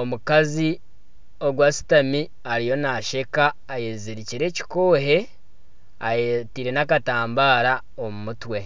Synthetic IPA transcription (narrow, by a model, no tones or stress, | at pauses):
omukazi | o̞ɡwaːsu̥tami | aɾijo̞naʃe̞kaːjeziɾiciɾe̞ːci̥ko̞ːɦe̞ | ajetiɾe̞nakataːmbaːɾa | omumutwe̞